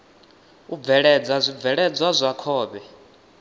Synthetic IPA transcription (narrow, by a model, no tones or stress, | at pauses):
ub̪vɛɺɛd͡zazʷib̪vɛɺɛd͡zwazʷakʰɔːɓɛ